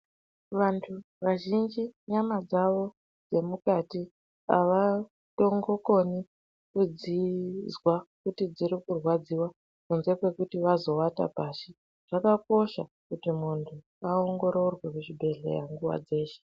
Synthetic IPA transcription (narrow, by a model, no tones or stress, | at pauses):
ʋantʰu | ʋaʒind͡ʒiɲamad͡zaʋo̞ | d͡ze̞mukati | a̰ʋa | to̞ŋɡo̞ko̞ni | kud͡zizwakutid͡ziɾikurwad͡ziwa | kunze̞kwe̞kutiʋazo̞wata̰paːʃi | ʐ̥akako̞ʃa | kutimuntʰu | ao̞ŋɡo̞ɾo̞rwekuʐibʱe̞ɮe̞̰ja̰ŋɡuwa̰d͡ze̞ːʃe̥